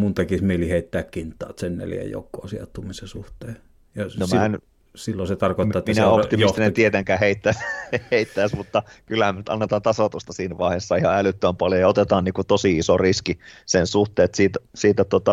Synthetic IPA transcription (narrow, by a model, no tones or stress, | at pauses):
munt̪ekismeˑiliheˑit̪ːæːkkint̪ːˑɑːt̪sennḛljæ̰jo̰kːˑo̰ːsiɑ̰t̪ːumisesuht̪ˑeː | jɑnomæn | silːoset̪ɑrkoˑːɑminæopt̪imist̪inet̪iet̪eŋkæːheit̪ːæsheit̪ːæˑːsmut̪ːɑkylːæhæmenyt̪ɑ̰nːet̪ɑːnt̪ɑsɑt̪ust̪ɑsiːnʋɑˑihesːɑihɑ̰ælyt̪ːøæmpɑljojɑot̪et̪ɑːnniːŋkut̪osiisoriskisensuht̪ˑeːt̪siːt̪æsiːt̪æt̪ot̪ɑ